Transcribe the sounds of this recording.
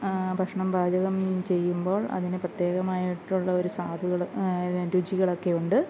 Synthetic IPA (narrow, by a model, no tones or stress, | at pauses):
bʱɐʂɳɐmbʱaːd͡ʑɐɣɐmt͡ɕe̞jːumbo̞ːɭɐ̰ðinɨprɐt̪je̞ːɣɐmaːjiʈːuɭːɐo̞ɾusaːd̪ʱuɣɐɭɾud͡ʑiɣɐɭo̞kːe̞uɳɖɨ